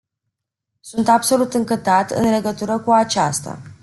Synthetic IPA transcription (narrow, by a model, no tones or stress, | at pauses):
sunt̪abso̞lut̪ɨŋkət̪at̪ɨ̰nle̞ɡət̪uɾəkuat͡ʃast̪a̰